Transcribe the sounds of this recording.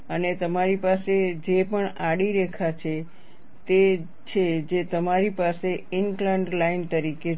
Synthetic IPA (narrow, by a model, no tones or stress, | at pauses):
ənet̪əmaɾipased͡ʒepəɳaɽiɾɛkʰat͡ʃʰe | t̪e | t͡ʃʰed͡ʒet̪əmaɾipaseɪŋklə̃ɳɖlaint̪əɾike